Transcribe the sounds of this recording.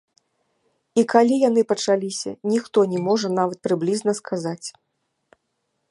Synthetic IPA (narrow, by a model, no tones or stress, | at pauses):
ikalʲijanɨpɐt͡ʂalʲisʲɐ̰nʲixt̪ɔnʲɛmɔʐɐn̪avɐt̪̚pɾɨblʲiznɐskʰazat͡sʲ